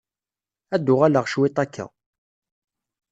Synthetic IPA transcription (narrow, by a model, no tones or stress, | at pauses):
æd̪ːʊʁæləʁʃwɪt̪ˤækːæ̰